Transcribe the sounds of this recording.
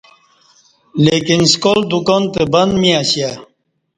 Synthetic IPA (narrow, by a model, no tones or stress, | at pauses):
lekinskold̪ukɔnt̪ebɐnd̪miaɕja